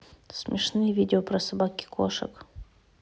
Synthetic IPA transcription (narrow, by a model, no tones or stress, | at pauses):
smʲɪʂnɨjvʲidʲɪopɾɐsɐbakʲɪ̥kʰo̰ʂə̰k